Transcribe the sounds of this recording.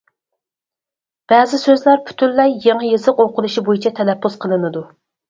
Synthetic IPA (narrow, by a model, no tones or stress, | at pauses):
b̥ɛːzɪsøzlæɾpʰy̥t̪ʰylːɛjːeŋəjezəqoqʊlˠuʃibojit͡ʃʰɛt̪ʰɛnɛpʰːuz̥qʰəlˠɨnɨd̪u